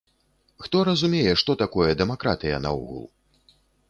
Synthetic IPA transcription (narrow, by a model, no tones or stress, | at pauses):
xt̪ɔɾɐzumʲejɛʂt̪ɔt̪akɔjɛd̪ɛmakɾa̰t̪ɨjɐna̰ɔ̰ɣṵlˠ